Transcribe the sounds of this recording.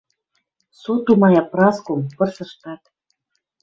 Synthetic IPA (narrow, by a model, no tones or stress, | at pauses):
sut̪umɑjɑprɑskompɤ̆rsɤ̆ʃt̪ɑt̪